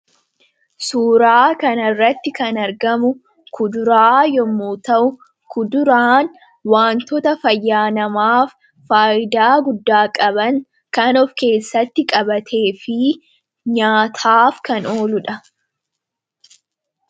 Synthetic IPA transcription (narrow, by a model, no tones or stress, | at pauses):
suːɾaːkɐnɐrːɐt̪ːɪkɐnɐɾɡɐmʊ | kʰʊd̪ʊɾaːjɔmːuːt̪ɐʔʊ | kʊd̪ʊɾaːn | waːnt̪ɔt̪ɐfɐjːaːnɐmaːfː | aːʔɪd̪aːɡʊd̪ːaːkʼɐbɐŋ | kɐnɔfke̞ːsːɐt̪ːɪkʼɐbɐt̪ʰe̞ːfɪ | ɲaːt̪ʰaːfkɐno̞ːlʊᶑɐ